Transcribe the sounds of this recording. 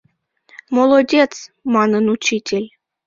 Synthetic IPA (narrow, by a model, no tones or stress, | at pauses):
molˠodʲet͡smɑnənut͡ɕitʲelʲ